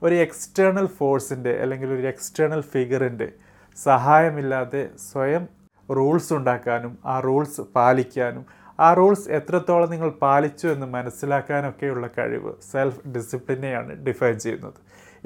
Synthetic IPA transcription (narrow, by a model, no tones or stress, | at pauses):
o̞ɾue̞kstɐrɳɐlfo̞ːrsinde̞ʔɐ̰lːe̞ŋɡilo̞ɾue̞ksʈɐrɳɐlfiɡɐrinde̞ | sɐɦaːjɐmilːaːðe̞sʋɐjɐm | ruːɭsuɳɖaːkːaːnumaːruːɭsɨpaːlikʲːaːnum | aːruːɭse̞t̪rɐt̪ːo̞ːɭɐniŋːɐɭpaːlit͡ɕːue̞nːɨmɐnɐsːilaːkːaːno̞kːe̞juɭːɐkɐ̰ɻḭʋɨ̰selfɖisipɭinːe̞ja̰ːɳɨ̰ɖifɐjnt͡ɕe̞jṵnːɐðɨ